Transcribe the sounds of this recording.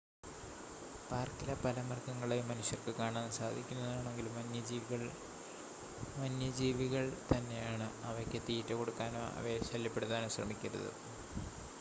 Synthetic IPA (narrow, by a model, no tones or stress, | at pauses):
paːrkilɐpɐlɐmɐrkɐŋːɐɭemːɐnuɕjɐrkɨkaːɳaːnsaːd̪ʱikʲːunːɐðaːɳe̞ŋɡilumɐnjɐd͡ʑiːʋiɣɐɭ | mɐnjɐd͡ʑiːʋiɣɐɭt̪ɐnːe̞jaːɳɨɐʋɐkʲːet̪iːtːɐko̞ɽukːaːno̰ːɐ̰ʋeɕɐlːjɐpːe̞ɽut̪ːaːnoːɕrɐ̰mikʲːɐɾɐ̰ðɨ̰